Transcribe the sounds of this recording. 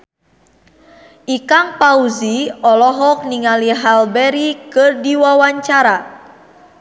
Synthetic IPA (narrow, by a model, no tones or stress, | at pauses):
ʔikaŋpauziɔlɔɦɔk̚niŋaliɦalbɛɾikɨrdiwawaɲt͡ʃaɾa